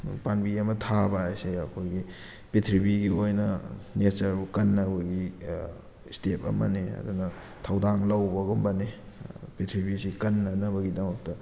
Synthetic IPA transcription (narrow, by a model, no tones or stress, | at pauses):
panbiɐmɐtʰabaajseɐkʰojɡi | pitʰɾibiɡiojnɐnet͡ʃɐɾbukɐnːɐbɐɡi | stepɐ̰mɐ̰neɐ̰dunɐ | tʰawdaŋlɐwbɐɡombɐne | pitʰɾibisikɐnːɐnɐbɐɡidɐmɐk̚tɐ